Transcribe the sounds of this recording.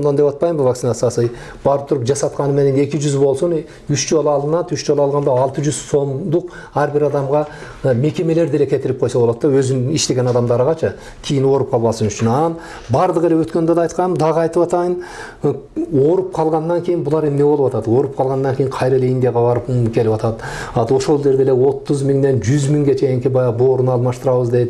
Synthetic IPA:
onɑnd̪e̞pɑt̪̚pɑjmbəvɑkt̪inat̪sɑsəj | b̥ɑɾəp̚t̪ʰʊɾəpʒɑsɑt̪̚qɑnəmeænene̞kʲɪʒʏzbo̞lˠsən | ʏʃʒo̞lˠɑlˠd̪ənɑd̪ʏʃʒolˠɑlˠʁɑnd̪ɑɑlˠt̪əʒʏzso̞md̪ʊq | æɾbɪɾɑd̪ɑmʁɑ | me̞kʲe̞me̞le̞ɾd̪ele̞kʲʰe̞t̪ɪɾɪp̚qʰo̞jsɑbolˠɑd̪d̪ɑwɵzɪniʃt̪e̞ɡʲe̞nɑd̪ɑmd̪ɑɾʁɑt͡ʃʰə | kʲʰejɪnwo̞ɾəp̚qʰɑlˠmɑsənʏʃɪnɑn | bɑɾd̪ˠəʁelewɵt̪kʲend̪ed̪ɑjt̪qɑnəmd̪ʰɑʁɑjt̪əpɑt̪ɑjən | wo̞ɾəp̚qʰɑlˠʁɑnːɑŋkʲʰe̞jɪnbʊlˠɑɾe̞mne̞bolˠəpwɑt̪ɑd̪əwo̞ɾəp̚qʰɑlˠʁɑnːɑŋkʲʰe̞jɪɴqʰɑjɾelejind̪eʁɑbɑɾəpkʲʰe̞lɪpwɑt̪ɑd̪ə | ɑd̪oʃo̞lˠʒe̞ɾd̪e̞lewo̞t̪ːəzmɪŋd̪e̞nʒʏzmɪŋɡʲe̞t͡ʃʰe̞jɪŋkʲɪbɑjboɾənɑlˠmɑʃt̪əɾɑwəzd̪ed̪ɪ

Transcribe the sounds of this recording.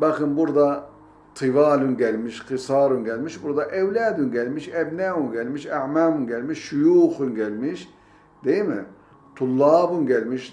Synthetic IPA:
bakɯnbuɾd̪a | t̪ʰɨvaːlunɟɛlʲmiʃqʰɨsɑːɾunɟɛlʲmiʃbuɾd̪ɑʔɛvlʲæːd̪unɟɛlmiʃɛbnæunɟɛlʲmiʃæʕmaːmunɟɛlmiʃːujuːxunɟɛlʲmiʃ | d̪̥ejimi | t̪ʰulˠːɑːbunɟɛlʲmiʃ

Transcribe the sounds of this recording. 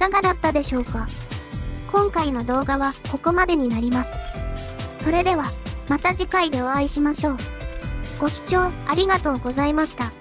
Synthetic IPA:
ikaɡad̪at̪ːad̪e̞ɕo̞ːka | kõ̞ŋkaino̞d̪o̞ːɡaβako̞ko̞mad̪e̞ɲ̟inaɾʲimasɨ̥ | so̞ɾe̞d̪e̞β̞amat̪aʑikaid̪e̞o̞aiɕimaɕo̞ː | ɡ̥o̞ɕi̥t͡ɕo̞ːaɾʲiɡat̪o̞ːɡo̞zaimaɕi̥t̪a

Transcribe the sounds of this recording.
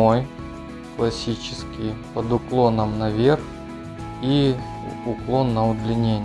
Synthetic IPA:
oj | klˠɐsʲit͡ɕɪ̥skʲɪjpəd̪ʊklˠo̞nəmnɐvʲe̞rx | i | ʊklˠo̞nːɐʊd̪lʲɪnʲenʲ

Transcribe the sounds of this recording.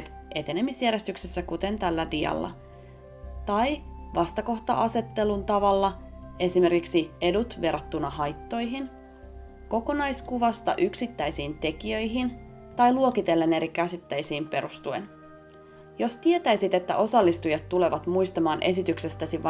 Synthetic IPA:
t̪ | ʔe̞t̪e̞nemisjæɾe̞st̪yksesːækut̪e̞nt̪ælːædiɑ̰lːɑ̰ | t̪ɑjʋɑst̪ɑko̞ht̪ɑʔɑse̞t̪ːe̞lunt̪ɑʋɑlːɑe̞sime̞rkiksie̞dut̪ʋe̞rɑt̪ːunɑhɑjt̪ːo̞jɦin | ko̞ko̞nɑjskuʋɑst̪ɑ̰ʔyksit̪ːæjsiːnt̪e̞kiø̞jɦin | t̪ɑjluokit̪e̞lːene̞ɾikæsit̪ːæjsiːmpe̞ɾust̪uḛn | jo̞st̪ie̞t̪æjsit̪e̞t̪ːæ̰ʔo̞sɑlːist̪ujɑt̪ːule̞ʋɑt̪mujst̪ɑmɑːnʔe̞s̬it̪ykse̞st̪æsiʋ

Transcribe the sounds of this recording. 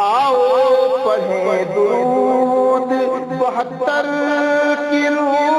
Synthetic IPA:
aːoːpɐɦed̪u | t̪ | bɐɦɐt̪ːɐɾ | kiɾ

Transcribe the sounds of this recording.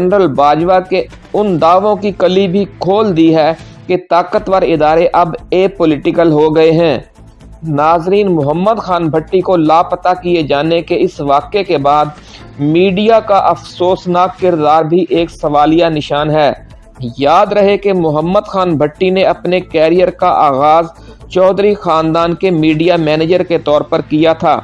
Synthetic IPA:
nɾəlbaːd͡ʒʋake | ʊnd̪aːʋõkikɐlibʱikʰoːld̪iɦɛː | ket̪aːkət̪ʋəɾɪd̪aːɾeʔɐbeːpʊlɪʈɪkəlɦoɡɐeɦɛ̃ː | naːzɾiːnmʊɦəmːəd̪xaːnbʱɐʈːikolaːpɐt̪akied͡ʒaːnekeɪsʋaːkekebaːd̪̚ | miːɖijakaʔɐfsoːsnaːkːɪɾd̪aːɾbʱiʔeːksɐʋaːlijanɪʃaːnɦɛː | jaːd̪ɾɐɦekemʊɦəmːəd̪xaːnbʱɐʈːineɐpnekɛːɾijəɾkaʔaːɣaːz | t͡ʃɔːd̪ɾixaːnd̪aːnkemiːɖijamɛːneːd͡ʒəɾket̪ɔːɾpɐɾkijat̪ʰa̰ː

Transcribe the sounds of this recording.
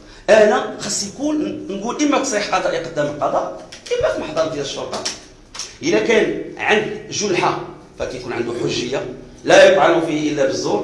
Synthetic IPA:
ʔænæxɑsˤːijkulnɡulʔəmːæksˤiħqɑd̪ˤɑʔjiqɑd̪ːæməlqɑd̪ˤɑʔʔəmːæfiməħd̪ˤɑɾˤd̪jæləʃːoɾt̪ˤɑ | ʔəlækænʕand̪ʒʊlħa | fækæjkunʕənd̪uħʊʒːəjːa | læjəb̪ʕalufihʔəlːæbəzːuɾ

